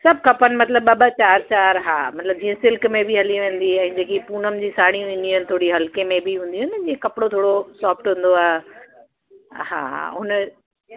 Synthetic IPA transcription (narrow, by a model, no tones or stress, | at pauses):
sɐb̚ʱkʰɐpənɪ̆mɐt̪ləbɐbat͡ɕaːɾt͡ɕaːɾɦaːmɐt̪ləb̚d͡ʑĩːə̃sɪlkmẽbɪɦɐliʋẽːn̆d̪iɛ̃ːd͡ʑeːkipuːnəmd͡ʑiːsaːɽ̃iũɪ̃nd̪iũɦɪnɪ̆t̪ʰoːɽiɦɐlkemẽbɪɦũːn̆d̪iuʊɦɪnɪd͡ʑĩːẽkɐpɪɽot̪ʰoːɽosaːfʈɦũːn̆d̪oaːɦe | ha̰ːɦʊn